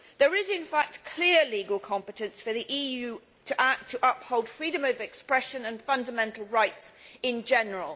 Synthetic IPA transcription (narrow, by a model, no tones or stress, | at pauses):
ðəɹɪzɪ̃nfak̚tkʰl̥ɪəliːɡəlˠkʰɒ̃mpɨtə̃nsfəðiʔiːjʉː | tʰəʔak̚tʰəʔʌphoʊlˠd̥fɹiːdə̃məvɛkspɹɛʃə̃nə̃nfʌ̃ndəmɛ̃ntˡl̩ˠɹaɪtsɪ̃nd͡ʒɛnəɹəlˠ